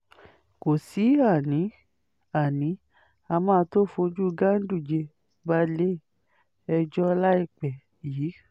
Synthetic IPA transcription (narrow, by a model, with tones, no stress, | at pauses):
ko˨si˨˦a˦˨nĩ˨˦ | a˨nĩ˨˦ | a˧mãː˦˧˦to˦˨fo˧d͡ʒu˦˧ɡa˦n̩˦du˦˨d͡ʒe˧ | ba˧le˦˨ | ɛ˧d͡ʒɔ˦˧la˦i˦˨k͡pɛ˨ | jiː˨˦